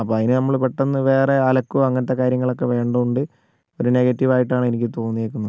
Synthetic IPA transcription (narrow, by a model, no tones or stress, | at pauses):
ɐpːoːɐðinɨnɐmːɐɭpeʈːenːɨʋe̞ːre̞ɐlɐkːuɐŋːɐnɐt̪ːe̞kaːɾjɐŋːɐɭo̞kːe̞ʋe̞ːɳɖɐðuɳɖɨ | o̞ɾune̞ɣɐtːiʋaːjiʈːaːɳɨenikʲːɨt̪o̞ːnːijekːunːɐð